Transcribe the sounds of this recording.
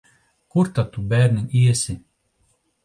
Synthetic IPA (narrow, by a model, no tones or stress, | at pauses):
kuɾt̪at̪ubæːɾʲnʲinʲiɛsʲi